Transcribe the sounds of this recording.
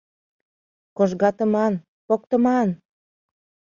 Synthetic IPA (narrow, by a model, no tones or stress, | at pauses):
koʒɣɑt̪ə̆mɑn | pok̚t̪ə̆mɑn